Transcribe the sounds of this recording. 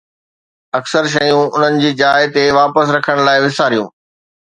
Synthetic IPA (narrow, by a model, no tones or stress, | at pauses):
ɐksəɾʃ̬ɐjũʊn̤ənɪ̆d͡ʑiːd͡ʑaːɪt̪eʋaːpəsɾɐkʰəɽ̃laːɪʋɪsaːɾijṵ̃ː